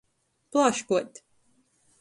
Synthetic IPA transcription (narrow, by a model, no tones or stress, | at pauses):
plˠaʃkuət̪ʲ